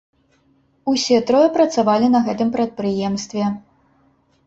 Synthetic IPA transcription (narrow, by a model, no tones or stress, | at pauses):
usʲɛt̪ɾɔjɛpɾɐt̪savalʲinɐɣɛt̪ɨmpɾɐt̪̚pɾɨjɛmst̪vʲɛ